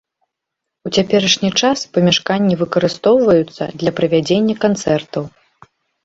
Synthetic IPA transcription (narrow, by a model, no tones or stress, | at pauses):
ut͡sʲapʲɛɾɐʂnʲit͡ʂaspɐmʲaʂkanʲːivɨkɐɾɨst̪ɔwvɐjut̪sːɐ̰d̪lʲɐpɾɐvʲad͡zʲenʲːɐkant̪sɛrt̪ɐw